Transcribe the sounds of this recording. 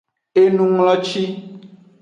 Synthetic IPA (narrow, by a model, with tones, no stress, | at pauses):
e˦nũ˦ŋlɔ˦t͡ʃi˦